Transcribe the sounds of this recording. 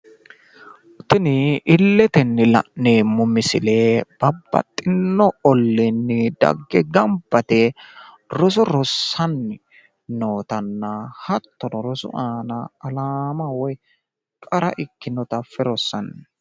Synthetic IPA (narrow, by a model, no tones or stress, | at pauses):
t̪ːɪnɪʔɪlːɛt̪ɛnːɪlɐ̰ʔnːeːmːʊmɪsɪleːb̥ɐbːɐ̰t̪ʼːɪnːɔɔlːɪnːɪd̪ɐ̰ɡːɛɡɐmbːɐt̪ɛ | ɾɔs̬ɔɾɔsːɐnːɪ | no̞ːt̪ɐnːɐhɐt̪ːɔdɔɾɔsʊ̰ʔaːnɐːlaːmɐwɔj | kʼɐɾɐʔɪkːɪnɔt̪ɐfːɛɾɔsːɐnː